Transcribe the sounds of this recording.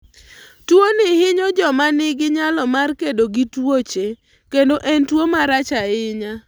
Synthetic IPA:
twonɪhɪɲod͡ʒɔmanɪɡɪɲalɔmarkedoɡitwot͡ʃe | kendoʔɛntwomaɾat͡ʃaɪɲa

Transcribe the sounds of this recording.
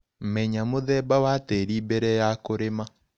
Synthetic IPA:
mɛɲamoðɛbawatɛɾibɛɾɛjakoɾema

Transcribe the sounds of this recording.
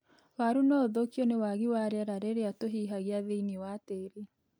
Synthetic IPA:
waɾunɔðokjɔnewaɣiwaɾeaɾaɾeɾeatoɦiɦaɣiaðeiniwateːɾe

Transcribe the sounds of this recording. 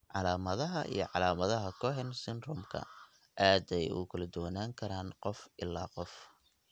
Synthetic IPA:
ʕɑlaːmɐðɐɦɐʔḭjɞʕɑlaːmɐðɐɦɐkʰɔħɛnsɪnrɔmkʰɐ̰ | ʔaːd̪ɛjʊ̰kʰɐlɐd̪ʊwɐnaːŋkʰɐɾaːnqɔfʔɪlːaːqɔf

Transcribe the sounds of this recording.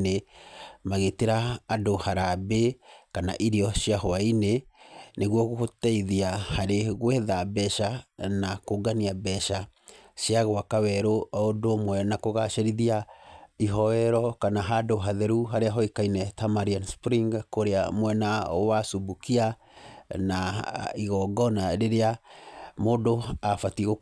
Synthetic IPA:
nemaɣeteɾaːdohaɾabekana̰ʔiɾiɔʃiaɦoaineneɣwɔɣohotɛiðiahaɾeɣwɛðabɛʃanakoɡaniabɛʃa | ʃiaɣowakawɛɾoɔodomwɛnakoɣaʃeɾiðiaiɦɔɛɾɔkanaɦadoɦaðɛɾuɦaɾeaɦɔikainɛtamaɾianspɾiŋɡkoɾeamwɛnawasubukia | naiɣɔɡɔnaɾeɾeamodoafatiɣo

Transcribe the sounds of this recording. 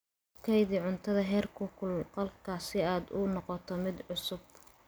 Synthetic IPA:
kʰɛjðiːʕʊnt̪ʰɐðɐɦɛːrkʰʊkʰʊlqɐlkʰaːsɪaːd̪ʊnɔqɔt̪ʰɔmɪd̪ʕʊsʊb̚

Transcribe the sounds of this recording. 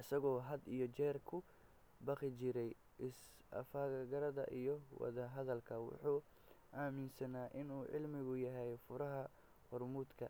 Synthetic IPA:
ʔɐsɐɣɔːɦɐd̪ijɔt͡ʃɛːrkʰʊ | bɑqɪt͡ʃɪɾɛj | ʔɪs | ɐ̰faːɣɐɾɐðɐ̰ʔijɔwɑ̰ðɐɦɐðɐlkʰɐwʊ̰ħuː | ʔaːmɪnsɐnaːʔɪnuːʕɪ̰lmɪɣʊjɐɦɛjfʊɾɐɦɐ | hɔrmuːd̪kʰɐ

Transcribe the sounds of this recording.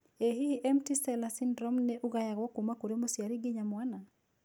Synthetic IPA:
eɦiʔɛmtisɛlasindɾɔmnɛʔuɡajaɣwɔkumakoɾomosjaɾiɡɪɲamwana

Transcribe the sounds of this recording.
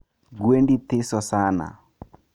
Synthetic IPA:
ɡwendit̪ɪsɔsana̰

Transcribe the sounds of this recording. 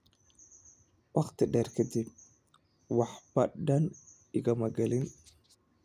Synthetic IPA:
wʔɑχt̪ʰɪɖɛːrkʰɐd̪ib̚ | wɑħbɐɖɐn | ɪɣɐmɐɡɐlɪn

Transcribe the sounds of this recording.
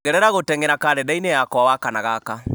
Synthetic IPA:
ɣɛɾɛɾaɣotɛŋɡeɾakaɾɛdainejakɔawakanaɣaka

